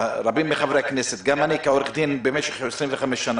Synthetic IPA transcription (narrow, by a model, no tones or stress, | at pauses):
ɾabimːeχavɾeakneset̪ɡamʔanikaoɾeχd̪inbemeʃeχesɾinveχamesʃana